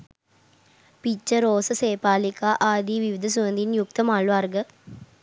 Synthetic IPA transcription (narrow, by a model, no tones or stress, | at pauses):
pit͡ʃːɐɾoːsɐseːpaːlikaːʔaːd̪iːʋiʋid̪ʱɐs̬uʋɐnd̪ʱinjuk̚t̪ɐmaːɭʋaːɾɡɐ